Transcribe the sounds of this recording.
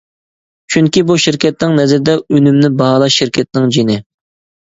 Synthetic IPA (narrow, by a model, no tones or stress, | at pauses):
t͡ʃʰyŋkʲibuʃɪɾkʲʰɛt̪̚nɪŋnɛzɪɾɪd̪ɛønymnɪbɑɦɑlˠɑʃɪɾkʲʰɛt̪̚nɪŋd͡ʒinɪ